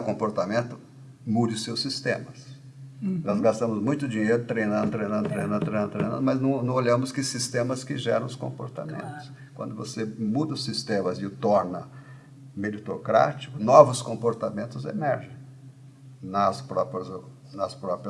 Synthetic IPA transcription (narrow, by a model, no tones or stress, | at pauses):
kõpoɾt̪amẽnt̪ʊ | mud͡ʒɪʊsewsist̪ẽmɐs | nɔzɡast̪ɐ̃mʊzmũj̃t̪ʊd͡ʒiɲejɾʊt̪ɾejnɐ̃d̪ʊt̪ɾej̃nɐ̃nd̪ʊt̪ɾejnɐ̃nd̪t̪ɾjñnd̪ʊt̪ɾejnɐ̰̃d̪ʊmɐznɐ̃w̃nɐ̃w̃oʎɐ̃mʊskɪsist̪ẽmɐskɪʒɛ̰ɾɐ̃w̃ʊskõ̰mpo̰ɾt̪a̰mḛ̃nt̪ʊ̥s | kwɐ̰̃nd̪ʊvosemud̪ɐʊsist̪ẽmɐzɪʊt̪ɔɾnɐ | med͡ʒit̪okɾa̰t͡ʃi̥kʊnɔvʊskõmpoɾt̪amẽnt̪ʊzḛmɛɾʒẽj̃ | nɐspɾɔpɾɐz | nɐspɾɔpɾiɐ